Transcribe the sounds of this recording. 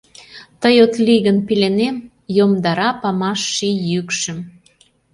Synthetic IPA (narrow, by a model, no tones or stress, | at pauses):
t̪əjot̪liɣənpilenem | jomd̪ɑɾɑpɑmɑʃːijykʃə̆m